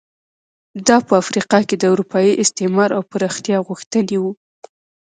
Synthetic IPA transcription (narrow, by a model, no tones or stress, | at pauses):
d̪ɑpəafɾiqɑked̪əuɾupɑjiʔɪst̪emɑɾawpəɾɑxt̪jɑɣuxt̪ənewu